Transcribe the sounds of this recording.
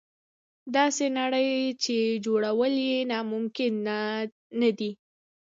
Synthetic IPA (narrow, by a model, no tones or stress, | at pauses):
d̪ɑsenaɽəjt͡ʃed͡ʒoɽawəljenɑmʊmkɪnː | ad̪i